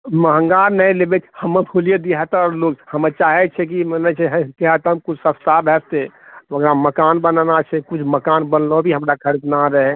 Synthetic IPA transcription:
məɦəŋɡaɾnəĩlebet͡ʃʰhəməpʰulijed̪iɦat̪ɔɾloɡhəmət͡ʃaːɦɛt͡ʃʰɛk̬imənɛt͡ʃʰɛɦkeɦat̪əmkʊt͡ʃʰsə̃st̪ʰabʱɛst̪eʋəɡɾaməkanbənnat͡ʃʰɛkut͡ʃʰməkaːnbənlobʱiɦəmɾakʰəɾit̪naɾəɦɛ

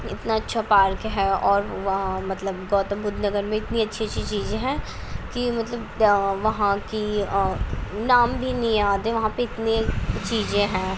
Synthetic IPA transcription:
ɪ̰t̪naɐtːʃʰapaːɾkɦɛɔːɾʋɐɦãmɐt̪ləbɡɔːt̪ə̃mbʊd̪ʱnɐɡəɾmẽɪt̪niɐtːʃʰiɐtːʃʰit͡ʃiːzẽɦɛ̃ː | kimɐt̪ləbʋɐɦãki | naːmbʱinɐɦĩaːd̪eʋɐɦãpeɪt̪net͡ʃiːzẽɦɛ̃ː

